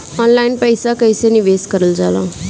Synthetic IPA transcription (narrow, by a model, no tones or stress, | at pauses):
ɔnlajinpəjsakəjseniʋeskəɾəld͡zalã̰